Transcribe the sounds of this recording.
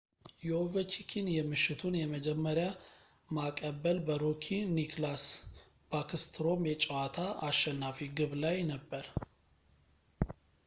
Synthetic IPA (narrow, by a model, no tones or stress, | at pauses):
jɛovət͡ʃikʰinjɛmɨʃːɪt̪ʰunjɛməd͡ʒɛmːəɾja | makʼəbəlbəɾokʰinikʰlas | b̥akʰɨst̪ʰɾo̞mjɛt͡ʃʼɛwat̪ʰaʔaʃːɛnːafiɡɨβlajnəbːəɾ